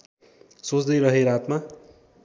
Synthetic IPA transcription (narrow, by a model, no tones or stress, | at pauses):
sot͡sd̪ʌjɾʌɦeɾat̪ma